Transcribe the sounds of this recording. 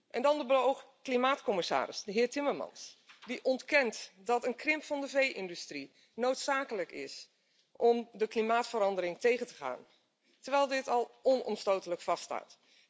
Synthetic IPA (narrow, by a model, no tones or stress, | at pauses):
ʔɛndɑndəbəlowxklimaːtkɔmɪsa̰ːɾɪ̰sdəɦɪːɹtɪməɹmɑ̰nsdiʔɔntkɛntdɑtənkrɪmpfɑndəvejʔɪndystri | nowtsaːkələkɪ̰s | ʔɔmdəklimaːtfəɾɑndəɾɪŋtejɣəntə̥χa̰ːn | təɹʋɛjlˠdɪtɑlˠɔnɔ̰mstowtələkfɑsta̰ːt